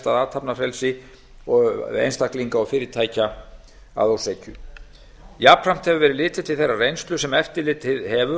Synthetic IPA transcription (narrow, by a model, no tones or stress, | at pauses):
t̪aðaːt̪ʰapnafɾɛlsɪ | ɔḛjnst̪akliŋkaɔɣfɪːɾɪt̪ʰaːjca | a̰ðowseːjcʏ | japrɾam̥t̪hɛvʏvɛːɾɪlɪːt̪ɪ̥t̪ʰɪθejrːarejnst̪lʏsɛmɛft̪ɪlɪːt̪hɪðhɛvʏ